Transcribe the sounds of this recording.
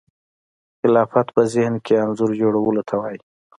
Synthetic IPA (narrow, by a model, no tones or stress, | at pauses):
xɪlɑfat̪pəzɪhnkeanzʊɾd͡ʒoɽawəlot̪ʰawɑji